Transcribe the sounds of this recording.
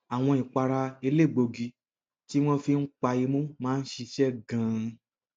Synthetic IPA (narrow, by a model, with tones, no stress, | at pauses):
a˨w̃ɔ̃˧i˨k͡pa˧ɾa˧e˧le˦˨ɡ͡bo˧ɡi˧ | ti˦w̃ɔ̃˦fi˧n̩˦k͡pa˧i˧mũ˦mãː˦n̩˦ʃi˧ʃɛ˦ɡã˧